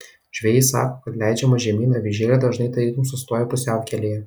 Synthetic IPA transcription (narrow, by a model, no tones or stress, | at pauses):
ʒ̥ʲʋʲɛjɪsɑ̰ːkokɐt̪lʲæˑɪd͡ʒʲɛmɐʒʲɛmʲiːnɐʋʲɪʒʲeːlʲɛd̪ɐʒnɐɪt̪ɐɾʲiːt̪ʊmsʊst̪oːjɛpʊsʲɛʊkʲɛlʲejɛ